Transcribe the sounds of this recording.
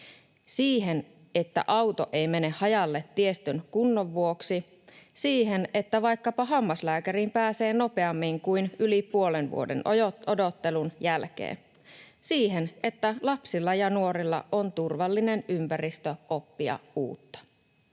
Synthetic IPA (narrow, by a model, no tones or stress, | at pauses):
siːɦe̞n | e̞t̪ːæ̰ʔɑwt̪o̰ʔejme̞ne̞ːɑjɑlːet̪ːie̞st̪ynkunːoʋːuoksi | siːɦene̞t̪ːæʋɑjkːɑpɑɦɑmːɑslæːkæɾimpæːse̞ːno̞pe̞ɑmːiŋkujnylipuo̞lenʋṵo̞dḛnodo̞t̪ːe̞lunjælk̟ḛːn | siːɦe̞nʔe̞t̪ːælɑpsilːɑjɑnuo̞ɾilːɑ̰ʔo̞nt̪urʋɑlːine̞nympærist̪øʔo̞pːiɑ̰ṵːt̪ːɑ̥